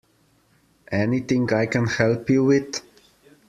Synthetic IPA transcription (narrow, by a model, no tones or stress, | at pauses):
ʔɛniθɪ̃ŋaɪkə̃nhɛlˠpjuwɪð̥